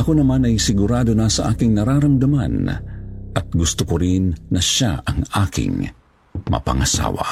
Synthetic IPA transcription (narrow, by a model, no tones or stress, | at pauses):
ʔɐkonɐmanɐjsɪɡuɾaːd̪onasɐʔaːkɪŋnɐɾaːɾɐmd̪ɐma̰n | ʔɐt̪̚ɡʊst̪ʊkoɾinːɐʃa̰ɐŋaːkɪ̰ŋ | mɐ̰pɐ̰ŋɐsa̰ːwa̰